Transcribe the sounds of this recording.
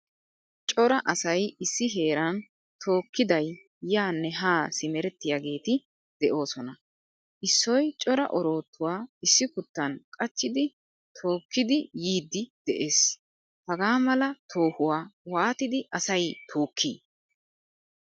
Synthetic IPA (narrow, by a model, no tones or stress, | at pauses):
t͡ʃʼɔɾɐʔɐsɐjɪsːɪɦe̞ːɾɐn | t̪ʰo̞ːkːɪd̪ɐj | jaːnːɛɦaːsɪmɛɾɛt̪ːɪjaːɡe̞ːt̪ɪ | d̪̥ɛʔo̞ːsɔnɐ | ʔɪsːɔjt͡ʃʼɔɾɐ̰ʔɔɾo̞ːt̪ːʊwaːɪsːɪkʊt̪ːɐnkʼɐt͡ʃːɪd̪ɪ | t̪ʰo̞ːkːɪd̪ɪjiːd̪ːɪd̪̥ɛʔeːs | hɐɡaːmɐlɐt̪ʰo̞ːhʊwaːwaːt̪ɪd̪ɪʔɐsɐjt̪ʰoːkʰːḭː